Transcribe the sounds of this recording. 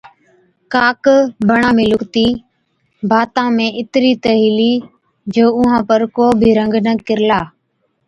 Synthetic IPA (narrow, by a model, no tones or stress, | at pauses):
kaːkbəɳãːmẽːlʊkt̪iː | bʱaːt̪ãːmẽːʔɪt̪ɾiːt̪əɦiːliː | d͡ʒoːʊɦãːpəɾkoːbʱiːɾəŋɡnəkɪɾlaː